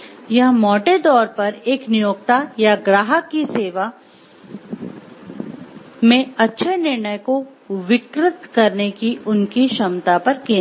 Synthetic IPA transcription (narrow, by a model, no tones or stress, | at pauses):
jɐɦmɔːʈed̪ɔːɾpɐɾeːknɪjoːkt̪ajaɡɾaːɦəkːiseːʋa | mẽɐtːʃʰenɪɾɳ̃əjko | ʋɪkɾɪt̪kɐɾnekiʔʊnkiʃɐmt̪apɐɾkẽː